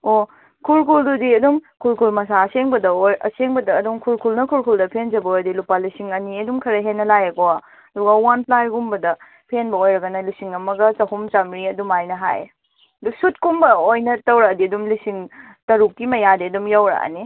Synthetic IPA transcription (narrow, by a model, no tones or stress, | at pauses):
o | kʰulkʰuldudiɐdumkʰulkʰulmɐsaɐseŋbɐdɐojɐ̰seŋbɐdɐːdumkʰulkʰulnɐkʰulkʰuldɐpʰend͡ʒɐbɐojɾɐdilupalisiŋɐniɐdumkʰɐɾɐɦenːɐlajɐkoa | ɐduɡɐwanpʰlajɡumbɐdɐ | pʰenbɐojɾɐɡɐnɐlisiŋɐmɐɡɐt͡ʃɐhumt͡ʃɐmɾiɐdumajnɐɦa̰j | ɐdusut̚kumbɐojnɐtɐwɾɐdiɐdumlisiŋ | tɐɾukːimɐjadiɐdumjawɾɐ̰ʔa̰ni